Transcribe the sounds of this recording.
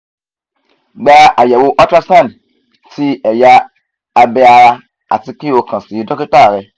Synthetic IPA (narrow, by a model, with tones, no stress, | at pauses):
ɡ͡ba˧ʔa˨jɛ˨wo˧ʔɔ˦tɾa˦sã˦˨n˨ | ti˦ɛ˨jaː˧ | bɛ˧a˧ɾa˧ | a̰˨ti˧ki˦o˧˨kã˨si˨˦dɔ̃˦ki˦ta˦˨ɾɛ˧